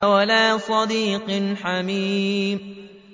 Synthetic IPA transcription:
walaːsˤɑd̪iːqnħamiːm

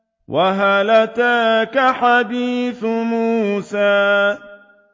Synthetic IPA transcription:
wʔaɦalat̪aːkaħabiːθʊmuːsaː

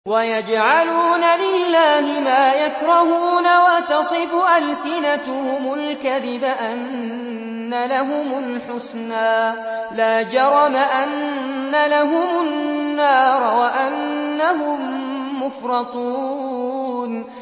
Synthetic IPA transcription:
wajad͡ʒʕaluːnalɪlːaːhɪmaːjakɾˤɑhuːnawat̪ɑsˤɨfʊʔalsɪnat̪hʊmʊlkaðɪbaʔanː | alaɦʊmʊlħʊsnaː | laːd͡ʒɑɾˤɑmaʔanːalaɦʊmʊnːɑːɾˤwaʔanːaɦʊmːʊfɾˤɑt̪ˤuː | n

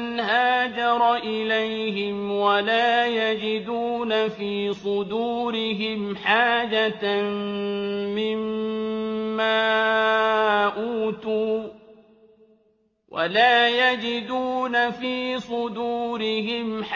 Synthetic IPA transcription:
nɦaːd͡ʒɑɾˤɑʔɪlajɦɪmwalaːjad͡ʒɪd̪uːnafiːsˤʊd̪uːɾɪɦɪmħaːd͡ʒat̪ | ɪmː | aː | ʔuːt̪uː | wʔa̰laːjad͡ʒɪd̪uːnafiːsˤʊd̪uːɾɪɦɪmħ

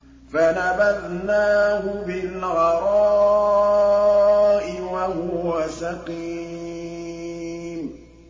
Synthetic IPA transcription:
fanabaðnaːhʊbɪlɣɑɾˤɑ | ʔɪwahʊwasɑqiː | m

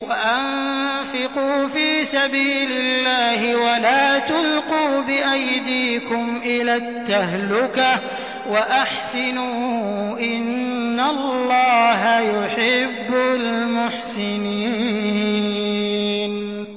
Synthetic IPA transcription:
waʔanfɪquːfiːsabiːlɪlːaːhɪwalaːt̪ʊlquːbɪʔajd̪iːkʊmʔɪlaːt̪ːahlʊka | waʔaħsɪnuːʔɪnːallːɑːɦajʊħɪbːʊlmʊħsɪni | n

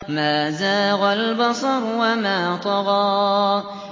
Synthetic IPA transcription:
maːzaːɣalbɑsˤɑɾwamaːt̪ˤɑɣɑː

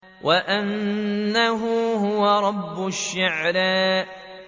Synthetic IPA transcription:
wʔaʔanːaɦʊːɦʊwaɾˤɑbːʊʃːaʕɾaːʔ

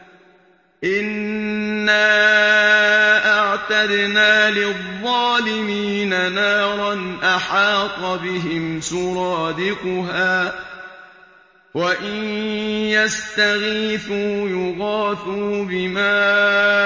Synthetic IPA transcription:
ʔɪnː | aː | ʔaʕt̪ad̪naːlɪðˤːɑːlɪmiːnanaːɾˤɑnʔaħɑːt̪ˤɑbɪɦɪmsʊɾˤɑːd̪ɪqʊɦaː | waʔɪnjast̪aɣiːθuːjʊɣaːθuːbɪmaː

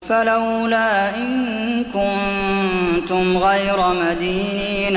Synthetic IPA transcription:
falawlaːʔɪŋ | kʊn | t̪ʊmɣajɾamad̪iːniːn

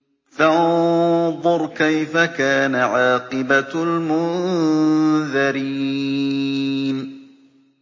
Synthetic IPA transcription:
faʔnðˤʊɾˤkajfakaːnaʕɑːqɨbalmʊn | ðɑɾiː | n

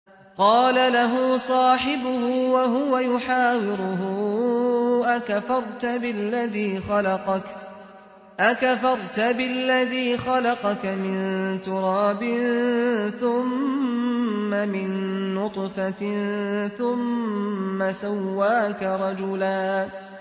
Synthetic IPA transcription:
qɑːlalaɦʊːsˤɑːħɪbʊhʊwaɦʊwajʊħaːwɪɾʊɦʊ | ʔakafɑɾˤt̪abɪlːaðiːxɑlɑqɑk | ʔakafɑɾˤt̪abɪlːaðiːxɑlɑqɑkamɪnt̪ʊɾˤɑːbɪnθʊm | amɪnːʊt̪ˤfa | θʊmː | asawːaːkaɾˤɑd͡ʒʊlaː

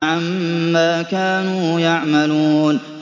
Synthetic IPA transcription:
ʕamːaːkaːnuːjaʕmaluːn

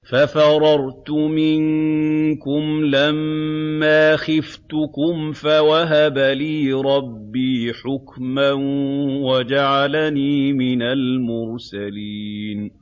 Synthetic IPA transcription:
fafɑɾˤɑɾˤt̪ʊmɪŋkʊmlamːaːxɪft̪ʊkʊmfawaɦabaliːɾˤɑbːiːħʊkmanwad͡ʒaʕalaniːmɪnalmʊɾsaliːn

